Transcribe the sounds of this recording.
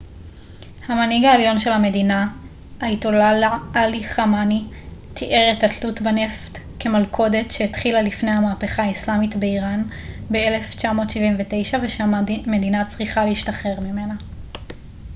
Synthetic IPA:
hamaniɡaeljo̞nʃe̞lhame̞dina | aitolalaaliχamanitʰiʔeʁetatlutbane̞ft | ke̞malkʰo̞de̞tʃeetχilalifnejhamaːpe̞χaːislamitbe̞iʁanbe̞ele̞ft͡ʃamo̞ːtʃiviɱvete̞jʃaveʃame̞dinat͡sʁiχaleiʃtaχe̞ʁmime̞na

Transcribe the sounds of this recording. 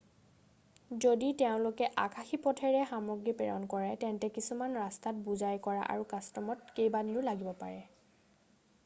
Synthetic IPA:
zoditeʊ̃lʊkɛʔakʰaxipɔtʰɛɹɛxamɔɡɹipɛɹɔ̰nkɔɹɛtɛntɛkisumanɹastat̚buzajkɔɹa̰ʔa̰ɹukastɔmɔtkejbaniʊlaɡibɔpa̰ɹɛ

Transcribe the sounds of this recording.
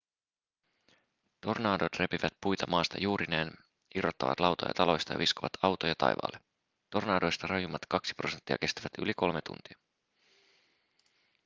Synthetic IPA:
t̪o̞rnɑːdo̞t̪re̞piʋæt̪̚pujt̪ɑmɑːst̪ɑ̰juːɾineːn | irot̪ːɑ̰ʋɑ̰t̪lɑwt̪o̰jɑ̰t̪ɑlo̞jst̪ɑjɑ̰ʋiskoʋɑt̪ʰɑwt̪o̞jɑt̪ɑ̰jʋɑ̰ːlːe | t̪o̞rnɑːdo̞jst̪ɑrɑjumːɑt̪kɑksi̥pro̞se̞nt̪ːiɑ̰k̟e̞st̪æʋæt̪yliko̞lmet̪ṵnt̪iɑ

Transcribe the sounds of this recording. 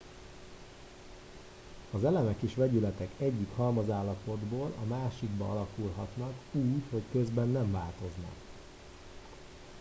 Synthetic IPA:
ɒzɛlɛmɛkeːʃʋɛɟylɛt̪ɛkɛɟːikhɒlmɒzaːlːɒpo̞d̪boːlɒmaːʃiɡbɒɒlɒkulɦɒt̪nɒkuːcho̞ckø̞zbɛnːɛɱvaːlt̪o̞znɒ̰k

